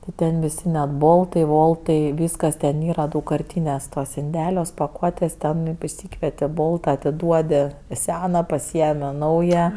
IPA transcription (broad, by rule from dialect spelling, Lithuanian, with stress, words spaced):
tʲɪ ˈtʲɛn ʋʲɪˈsʲɪ nʲɛt ˈboːlˠtɐɪ ˈʋoːlˠtɐɪ ˈʋʲiːskɐs tʲɛn ˈiːrɐ dɐʊkkɐrʲˈtʲiːnʲuɔs tuɔs ɪnʲˈdʲæːlʲuɔs pɐˈkuɔtʲeːs ˈtʲɛn ɪʃʲˈsʲiːkʋʲiɛtʲɪ ˈboːlˠtɐ ɐtʲɪˈduɔdʲɪ ˈsʲæːnɐ pɐˈsʲiɛmʲɪ ˈnɐʊjɛ